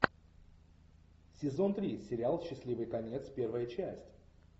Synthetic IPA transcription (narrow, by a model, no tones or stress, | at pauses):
sʲɪzo̞nt̪ɾʲisʲɪɾʲɪalˠɕːɪsʲlʲivɨjkɐnʲet̪spʲe̞rvəjət͡ɕæsʲtʲ